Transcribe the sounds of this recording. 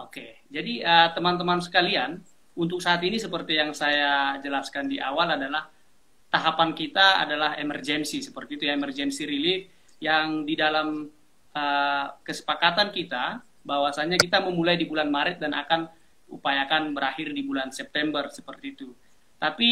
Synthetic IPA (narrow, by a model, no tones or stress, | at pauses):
oke | d͡ʒadiət̪əmant̪əmansə̥kalian | unt̪ʊk̚saːt̪inisəpərt̪ijaŋsajad͡ʒəlaskandiʔawaladalah | t̪aɦapankit̪aa̰dalaɦḛmərd͡ʒɛnsisəpərt̪iːt̪ujaemərd͡ʒɛnsiɾilif | jaŋdidalam | əkəsə̥pakat̪ankit̪a | bawasaɲakit̪aməmulajdibulanmaɾɪt̪̚danʔa̰kan | ṵpajakanbəɾahɪrdibulansɛp̚t̪ɛmbərsə̥pərt̪iːt̪u | t̪api